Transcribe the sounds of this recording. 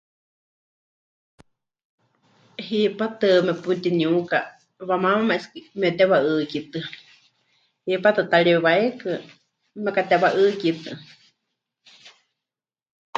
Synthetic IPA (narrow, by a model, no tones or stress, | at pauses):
hipat̪ɨmɛput̪iɲuka | βamamamaʔskimiot̪ɛβaʔɨkit̪ɨ | hipat̪ɨt̪aɺiɛβaekɨ | mɛkat̪ɛβaʔɨkit̪ɨ